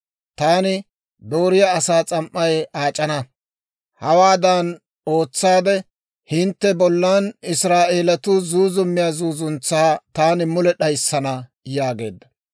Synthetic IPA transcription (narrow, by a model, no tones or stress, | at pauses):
t̪aːnɪ | d̪o̞ːɾɪjaːsaːt͡sʼɐmʔːɐjaːt͡ʃʼːɐnɐ | hɐwaːd̪ɐn | o̞ːt͡sːaːd̪ɛ | hɪnt̪ːɛbɔlːanɪsɾaːʔe̞ːlɐt̪ʊzuːzʊmːɪjaːzuːzʊnt͡sːaːt̪aːnɪmʊlɛɗɐjsːɐnɐ | jaːɡe̞̰ːd̪ːɐ